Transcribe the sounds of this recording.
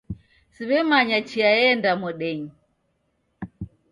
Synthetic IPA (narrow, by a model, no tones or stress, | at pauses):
siβɛmaɲat͡ʃiaɛndamɔɗɛɲi